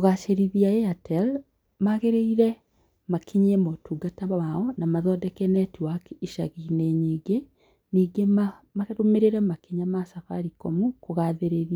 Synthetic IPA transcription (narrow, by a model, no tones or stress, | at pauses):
koɣaʃeɾiðiaeatʰɛl | maɣeɾeiɾɛ | makʰiɲemotuːɡataaɔnamaðɔdɛkɛnɛtiwakeiʃaɣineɲiːɡe | niːɡema | maeɾomeɾeɾɛmakiɲamasafa̰ɾikomukoɣaðeɾeðia